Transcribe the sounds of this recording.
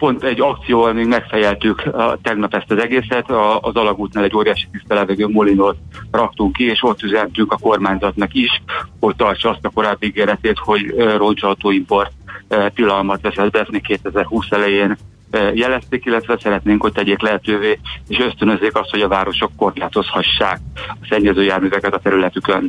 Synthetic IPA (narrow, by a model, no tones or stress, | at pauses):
po̞nt̪ɛɟːɒk̚t̪sijoːvɒlmeːɡmɛkfɛjɛlt̪ykt̪ɛɡnɒpɛst̪ɒzɛɡeːsɛt̪ɒːzɒlɒɡuːt̪naːlɛɟːoːɾijaːʃi̥t̪ist̪ɛlɛvɛɡøːmulinoːt̪rɒk̚t̪uŋkːieːʃo̞t̪ːyzɛnt̪yŋkɒko̞rmaːɲzɒt̪nɒkiʃho̞c̚t̪ɒrt͡ʃɒɒst̪ɒko̞ɾaːbːiiɡeːɾɛt̪eːt̪ho̞ɟro̞nt͡ʃɒlt̪oːimpo̞rt̪t̪ːilɒlmɒt̪ʋɛsɛd̪̚bɛɛsnikeːt̪ɛzɛrhuːsɛlɛjeːn | jɛlɛst̪eːkilːɛt̪ʋɛsɛɾɛt̪neːŋkho̞c̚t̪ɛɟeːklɛɦɛt̪øːveːeːʃøst̪ønø̞zːeːkɒst̪ho̞ɟɒvaːɾo̞ʃo̞kːo̞rlaːt̪o̞shɒʃːaːk̚ɒsɛɲːɛzøːjaːrmyvɛkɛt̪ɒt̪ɛɾylɛt̪ykøn